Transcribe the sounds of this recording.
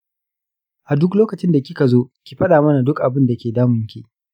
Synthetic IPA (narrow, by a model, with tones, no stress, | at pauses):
ʔa˨dʊ˦kloː˦kɐ˨t͡ʃɪ˦nda˨kʲɪ˦ka˨zoː˦kʲi˨ɸɐ˦ɗaː˨mɐ˦na˨dʊ˦kʔa˨bɪ˦nda˨kʲeː˨daː˦mʊ˨ŋkʲiː˦